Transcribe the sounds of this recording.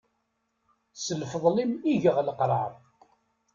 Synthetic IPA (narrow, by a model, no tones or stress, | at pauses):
səlfəðˤlimiʝəʁləqɾˤɑɾˤ